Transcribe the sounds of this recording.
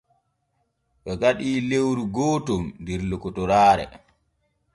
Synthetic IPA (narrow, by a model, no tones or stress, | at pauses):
ɓɔɡaɗiːlewɾuɡɔːtɔmndɛɾlɔkːɔtɔɾaːɾɛ̰